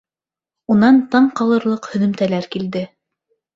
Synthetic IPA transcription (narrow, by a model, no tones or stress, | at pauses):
unɑnt̪ɑɴqɑlˠɤ̆ɾlˠɤqhɵ̆ðɵ̆mt̪ælæɾkild̪ɘ